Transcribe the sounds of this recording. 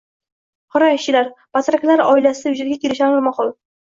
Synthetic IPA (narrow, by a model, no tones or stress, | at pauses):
hɒɾɒjt͡ʃːɪlaɾbat̪ɾakʲʰalaɾɒ̰ɪlasɪd̪ajʊd͡ʒaɾɡʲakʲʰeɾɪʃaɾaɾmɒχɒlˠ